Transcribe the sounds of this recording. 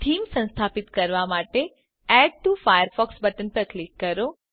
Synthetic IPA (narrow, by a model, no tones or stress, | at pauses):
ʈ̪ʰiːmsə̃nst̪ʰapit̪kəɾʋamaʈe | ɛɖ̚ʈufajəɾfɔksbəʈənpəɾklikːəɾo